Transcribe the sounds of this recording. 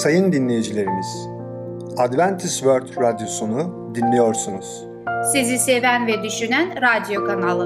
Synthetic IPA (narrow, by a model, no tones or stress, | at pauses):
sajɯnd̪inlʲe̞jid͡ʒilʲe̞ɾimiz̥ | ad̪vænt̪ʰisvøɾt̪ɾad̪jo̞sunu | d̪inlʲejo̞ɾsunuz̥ | sizisevænvɛd̪yʃynænɾad̪jo̞kʰanalˠɯ